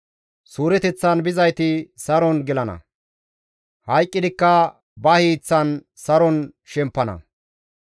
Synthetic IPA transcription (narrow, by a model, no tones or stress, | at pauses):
suːɾɛt̪ɛt͡sːɐnbɪzɐjt̪ɪsɐɾɔnɡɪlɐnɐ̰ | hɐjkʼːɪd̪ɪkːɐ | bɐhiːt͡sːɐn | sɐɾɔn | ʃɛmpːɐnɐ̰